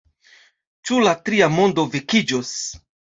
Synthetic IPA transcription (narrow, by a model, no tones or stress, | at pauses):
t͡ʃulatɾiamo̞ndo̞vekid͡ʒos